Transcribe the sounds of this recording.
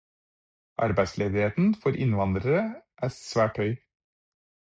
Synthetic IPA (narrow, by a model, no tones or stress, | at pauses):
ʔɑ̰ɾbæɪsleːd̪ɪheːt̪n̩fɔɾʔɪ̰nʋɑnd̪ɾəɾəʔæːsʋæːʈhœʏ